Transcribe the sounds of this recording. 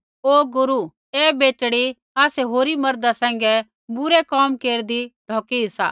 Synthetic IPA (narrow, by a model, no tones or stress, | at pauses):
oːɡʊɾu | eːbeːʈɽi | aːsɛɦoːɾimɐɾd̪asɛ̃ːŋ̆ɡɛ | bʊɾɛkɔːmkeːɾd̪iɖʱɔːkiɦɪsa̰ː